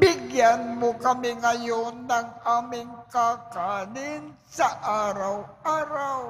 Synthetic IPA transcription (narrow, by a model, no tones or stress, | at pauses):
bɪɡjanmokɐmɪŋɐjonːɐŋʔaːmɪŋkakaːnɪn | sɐʔaːɾawʔaːɾaw